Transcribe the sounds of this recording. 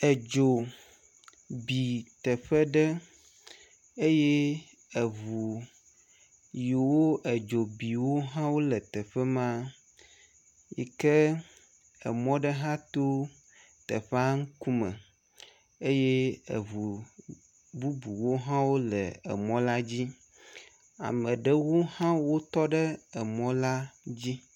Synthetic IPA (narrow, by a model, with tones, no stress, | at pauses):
ɛ˨d͡ʒo˨ | bi˨t̪ɛ˨ɸɛ˦ɖɛ˦ | e˦jɛ˦ | ɛ˨βu˨ | jo˨wo˦ʔɛ˨d͡ʒo˨bi˨wo˦ɦã˦wo˦lɛ˨t̪ɛ˨ɸɛ˦mã˦ | jḭ˨kɛ˦ | ɛ̰˨mɔ̃˦ɖɛ˦ɦã˦t̪o˦ | t̪ɛ˨ɸɛ˦a˦ŋ̩˦ku˦mə̰˨ | e˦je˦ḛ˨vu˨ | bu˦bu˨wo˦ɦã˦wo˦lɛ˨ɛ̰˨mɔ̃˦la˦d͡ʑi˦ | a̰˨mə̃˨ɖɛ˦wo˦hã˦wo˦t̪ɔ˦ɖɛ˦ɛ˨mɔ̃˦la˦d͡ʑi˦